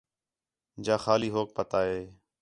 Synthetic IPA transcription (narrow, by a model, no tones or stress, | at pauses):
d͡ʒaːxaːliːɦoːk̚pət̪aːɦeː